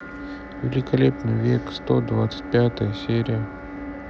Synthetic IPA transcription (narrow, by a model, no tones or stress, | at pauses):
vʲɪlʲɪkɐlʲepnɨjvʲe̞kst̪od̪vat̪sɨ̥t̚ʲpʲat̪əjəsʲeɾʲɪjə